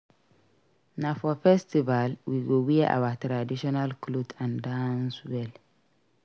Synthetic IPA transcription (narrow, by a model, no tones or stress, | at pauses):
nafɔfɛstivalwiɡowiʔa̰watɾadiʃɔnalklubãndãnswɛl